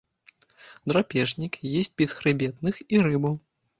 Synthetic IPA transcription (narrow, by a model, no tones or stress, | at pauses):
d̪ɾɔpʲɛʐnʲikjesʲt͡sʲbʲɛsxɾɨbʲɛt̪nɨxiɾɨbɐw